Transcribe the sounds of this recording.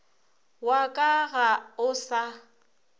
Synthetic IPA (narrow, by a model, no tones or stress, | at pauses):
wakʼaɣaʊsa